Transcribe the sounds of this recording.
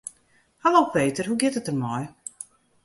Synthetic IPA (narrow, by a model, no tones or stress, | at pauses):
halowpʰeːtərɦuɡɪtətərmɔj